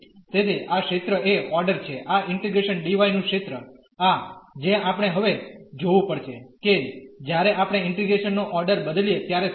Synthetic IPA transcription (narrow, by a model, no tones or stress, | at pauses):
t̪ed̪ʰeʔakʃet̪ɾəeɔɾɖəɾt͡ʃʰeʔaʔɪɳʈɾiɡɾeʃənɖiʋajnũket̪ɾə | ad͡ʒẽapəɽ̃eɦəʋed͡ʒoʋũpəɽt͡ʃʰeked͡ʒjaɾeʔapɽ̃eɪɳʈiɡɾeʃənːoʔɔɾɖəɾbəd̪lijet̪jaɾe